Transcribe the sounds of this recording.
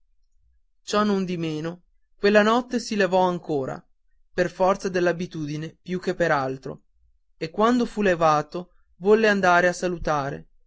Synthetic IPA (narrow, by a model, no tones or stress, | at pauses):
t͡ʃɔnːond̪imeːno | kwelːanɔt̪ːesilevɔaŋkoːɾa̰ | perfɔrt̪sad̪elːabit̪uːd̪inepjuk̟ːepːeɾalt̪ɾo̰ | ekːwand̪ofulevaːt̪o | vɔlːeand̪aːɾeasalut̪aːɾḛ